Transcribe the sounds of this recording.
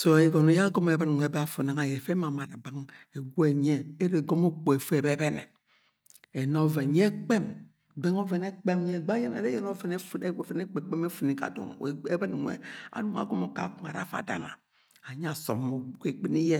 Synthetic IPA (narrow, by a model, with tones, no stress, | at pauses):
so˨e˨ɡo˨no˨˦ja˦ɡo˦me˨˦bɨ˦n˨ŋʷ˨e˨be˦a˦fo˨na˨ŋa˨je˨fe˦ma˨ma˨ɾa˨ba˦ŋe˨ɡʷo˦e˨ɲe˦e˦ɾe˨ɡo˦mo˦k͡po˨e˨fe˦˨be˦be˦nḛ˨ | e˨no˦ve˨n˨ɲe˦k͡pe˦m | be˦ŋo˦ve˨ne˦k͡pe˦m˦ɲe˦˨ɡ͡ba˦je˦nḛ˨ɾe˦je˦no˦ve˨ne˦fe˦ne˦k͡pe˨k͡pe˦me˦fu˨ni˨ka̰˨do̰˨ŋ˨e˦be˦n˨ŋʷḛ˨a̰˨du˦ŋa̰˨ɡo˦mo˨ka̰˨ku˨m˨a˨ɾa̰˦fa̰˨da̰˦na̰˨ | a˨ɲ˦a˨so̰˨mːo˨u˦ke˨k͡pi˦ni˦je˦